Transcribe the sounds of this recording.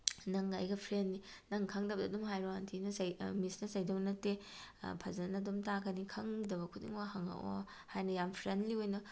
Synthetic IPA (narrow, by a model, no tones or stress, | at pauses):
nɐŋɐ̰jɡɐpʰɾenːinɐŋkʰɐŋdɐbɐdɐdumɦajɾoantʰinɐsɐjmisnɐsɐjdɐwnɐtepʰɐzɐnɐdumtaɡɐnikʰɐŋdɐbɐkʰudḭŋbɐɦɐŋɐ̰ʔo̰ | hajnɐjampʰɾendliojnɐ